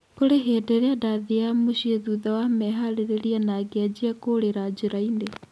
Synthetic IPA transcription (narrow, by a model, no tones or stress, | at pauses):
koɾeɦeːdeɾeadaðiamuɕieðuðawamɛɦaɾeɾeɾianaɡad͡ʑiakoɾeɾad͡ʒeɾaine